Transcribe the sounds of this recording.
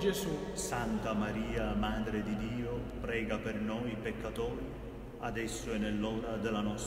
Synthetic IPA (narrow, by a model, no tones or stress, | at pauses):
d͡ʒezusant̪amaɾiːamaːd̪ɾed̪id̪iːopɾɛːɡapernoːjpekːat̪oːɾi | ad̪ɛsːʊɛnːelːɔːɾad̪elanɔs